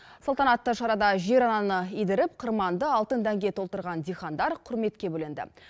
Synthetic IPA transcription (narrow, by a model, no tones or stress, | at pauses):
solˠt̪ɑnɑt̪ːəʃɑɾɑd̪ɑʒe̞ɾɑnɑnəijd̪ɪɾɪp̚qʰəɾmɑnd̪əɑlˠt̪ənd̪æŋɡʲe̞t̪ʰolt̪əɾʁɑnd̪ijχɑnd̪ɑɾqʰʊɾme̞t̪kʲe̞bɵlɪnd̪ɪ̰